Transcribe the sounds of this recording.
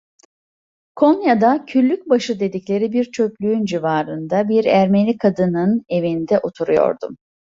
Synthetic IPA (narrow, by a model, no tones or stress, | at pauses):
kʰonjad̪acʰyɾlʲːyc̚baʃɯd̪e̞d̪iclʲe̞ɾibiɾt͡ʃʰø̞plʲyynd͡ʒivaːɾɯnd̪abiɾæɾme̞lʲikʰad̪ɯnɯne̞vind̪ɛʔot̪ʰuɾujo̞̰ɾd̪ṵm